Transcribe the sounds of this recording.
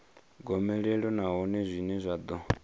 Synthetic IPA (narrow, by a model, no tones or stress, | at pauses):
ɡɔmɛɺɛɺɔnaɦɔnɛzʷinɛzʷad̪ɔ